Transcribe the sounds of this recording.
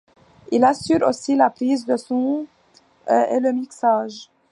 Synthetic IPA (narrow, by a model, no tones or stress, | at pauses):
ilasyʁosilapχizd̪əsɔ̃ | eləmiksaʒ